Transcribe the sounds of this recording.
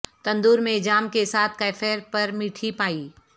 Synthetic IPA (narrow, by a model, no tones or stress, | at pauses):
t̪ɐ̃nd̪uːɾmẽd͡ʒaːmkesaːt̪̚ʰkɐːfɛːɾpɐɾmiːʈʰipaːiː